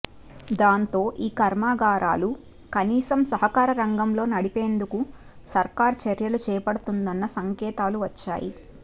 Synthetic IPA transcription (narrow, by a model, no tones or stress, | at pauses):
d̪aːnt̪o̞ːʔiːkɐɾmaːɡaːɾa̰ːlu | kɐniːsɐmsɐɦɐkaːɾɐɾɐŋɡɐmlo̞ːnɐɽipe̞ːnd̪uku | sɐɾkaːɾt͡ʃɐɾjɐlut͡ʃɛːpɐɽut̪und̪ɐnːɐsɐŋkɛːt̪aːluʋɐt͡ʃːa̰ːjḭ